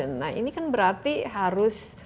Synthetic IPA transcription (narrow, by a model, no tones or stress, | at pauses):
ənːa̰ḭnikanbəɾart̪iɦaɾʊs